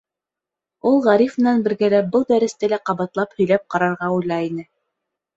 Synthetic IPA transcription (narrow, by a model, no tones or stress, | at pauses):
ulˠʁæɾifmɘ̆nænbɘ̆ɾɡælæbɤlˠd̪æɾɘ̆st̪ælæqɑβɑt̪lˠɑphɵ̆jlæp̚qɑɾɑɾʁɑujlˠɑinɘ